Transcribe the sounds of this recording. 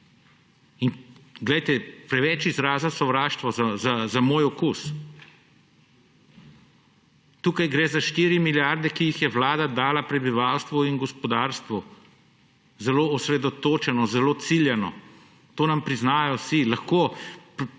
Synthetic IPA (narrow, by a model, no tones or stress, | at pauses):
inɡlɛjt̪ɛpɾɛʋɛt͡ʃizɾaːzasɔʋɾaːʃt̪ʋɔzazazamoːjɔkus | t̪uːkajɡɾeːzaʃt̪iːɾimiljaɾd̪ɛkijixjɛʋlaːd̪ad̪aːlapɾɛbiʋaːwst̪ʋuinɡɔspɔd̪aːɾst̪ʋu | zɛloːɔsɾɛd̪ɔt̪oːt͡ʃɛnɔzɛloːt̪siljɛnɔ̰ | t̪oːnampɾiznaːjɔsilaxkoː